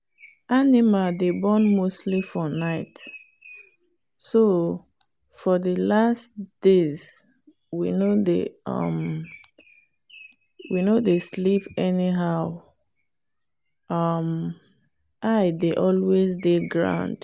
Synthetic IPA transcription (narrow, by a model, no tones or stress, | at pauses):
animaldebɔ̃nmostlifɔnaɪt | so | fɔðəlastd̥ez | winodeʌ̰m | winodeslipɛniɦaʊ | ʌm | ʔaɪdeʔɔlwezdeɡɹã̰ʊ̃nd̥